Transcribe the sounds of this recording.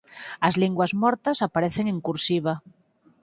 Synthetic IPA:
azliŋɡwazmɔɾt̪asapaɾeθeŋeŋkuɾsiβ̞a

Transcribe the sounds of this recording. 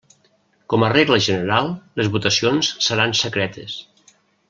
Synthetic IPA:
kɔməreɣləʒənəɾalˠlezβut̪əsionssəɾansəkɾɛt̪es

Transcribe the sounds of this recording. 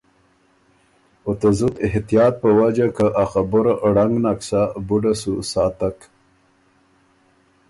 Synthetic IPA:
ot̪azut̪ɪɦt̪ijɑːt̪̚pəwad͡ʒakəʔaxabʊɾaʔɽaŋɡnaksabuɖasusɑːt̪ak

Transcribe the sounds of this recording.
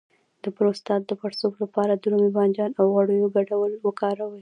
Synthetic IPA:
d̪̥əpɾost̪ɑt̪̚d̪əpaɽsoblapɑɾad̪ɾomibɑnd͡ʒɑnawɣaɽəjoɡaɖawəlwəkɑɾawəj

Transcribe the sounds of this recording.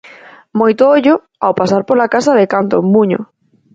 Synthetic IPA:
mojt̪ʊoʎʊ | awpasaɾpolakasaðɪkant̪ommuɲo̰

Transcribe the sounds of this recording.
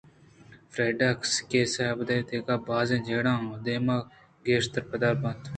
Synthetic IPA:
fɾeːɖaːkskeːsabd̪at̪eːkaːbaːzẽːd͡ʒeːɽãːɦõːd̪eːmãː | ɡeːʃt̪əɾpəd̪aːlbɐnd̪

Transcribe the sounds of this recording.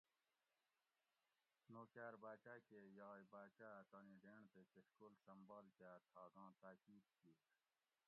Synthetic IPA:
noːkaːɾbaːt͡ɕaːkejɑːibaːt͡ɕat̪aniːɖeːɳt̪ekeskolsɐmbaːlkat̪ʰaːɡɑ̃ːt̪aːkiːd̪kiː

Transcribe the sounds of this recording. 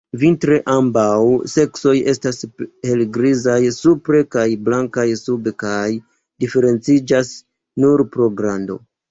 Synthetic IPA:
vintɾe̞ʔambawse̞kso̞je̞stashe̞lɡɾizajsupɾe̞kajblaŋkajsubekaj | dife̞ɾe̞nt͡sid͡ʒas | nuɾpɾo̞ɡɾando̞̰

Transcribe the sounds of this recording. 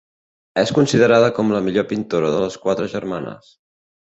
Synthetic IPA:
ɛskunsiðəɾað̞əkɔmləmiʎopint̪oɾəðələskwat̪ɾəʒəɾmanə̰s

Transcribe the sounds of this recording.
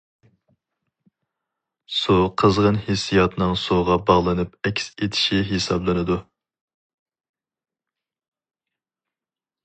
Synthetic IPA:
suqʰəzʁənhesijɑt̪nɨŋsuʁɑbɑʁlˠɨnɨp̚ɛkʲset̪ʰɪ̥ʃiɦesɑblˠɨnɨd̪u

